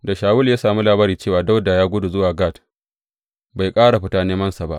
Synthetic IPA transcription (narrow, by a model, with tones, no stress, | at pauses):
da˨ʃaː˨wʊ˦ljaː˦saː˨mu˦laː˨baː˦ɾiː˨t͡ʃeː˦˨waː˨da˦wda˨jaː˦ɡʷʊ˦du˨zʊ˦waː˨ɡa˦˨t | ba˨jkʼaː˦ɽa˨ɸɪ˦taː˦neː˦mɐ˦nsa˨ba̰˦ʔ